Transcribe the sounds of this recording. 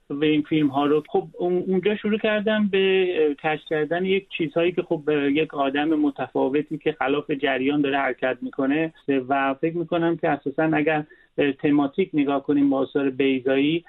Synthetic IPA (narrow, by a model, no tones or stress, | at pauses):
væinfilmɦɒːɾoxobund͡ʒɒːʃoɾuːcʰæɾd̪æmbeckʰæʃcʲʰæɾd̪ænejek̚t͡ʃʰiːzhɒːjiːcʰʲe̞xobjekʰɒːd̪æmemot̪ʰæfɒːve̞t̪ʰiːcʰe̞xælɒːfe̞d͡ʒæɾjɒːnd̪ɒːɾehæɾecʰʲæt̪̚miːkʰo̞ne̞væfe̞kmiːko̞næmcʰe̞æsɒːsænæɟæɾ | t̪ʰe̞mɒːt̪ʰiːcne̞ɡɒːhko̞niːmbɒːsɒːɾe̞bejzɒːiː